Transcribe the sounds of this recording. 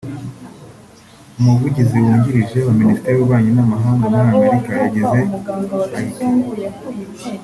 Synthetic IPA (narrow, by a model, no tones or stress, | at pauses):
umuvuɟiziwuːɲɟiɾiʒe̞uminisi̥teɾiwuβaːɲinamaɦaːŋɡamuɾaame̞ɾikajaɟeze̞kait